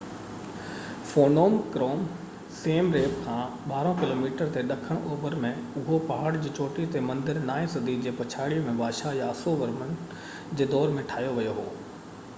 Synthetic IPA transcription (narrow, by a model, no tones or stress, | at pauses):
foːnoːmkɾoːm | seːmɾeːpkʰãːɓaːɾõkɪloːmiːʈəɾt̪eɗɐkʰəɽ̃ʔoːbəɾmẽʊɦopaːɦəɽd͡ʑiːt͡ɕoːʈit̪emɐ̃nd̪ɪɾnaːĩsɐd̪ʱid͡ʑeːpɐt͡ɕʰaːɽiəmẽbaːʃajaɐsoʋɐɾmənɪ̆ | d͡ʑeːd̪ɔːɾmẽʈʰaːijoʋɐjoɦoː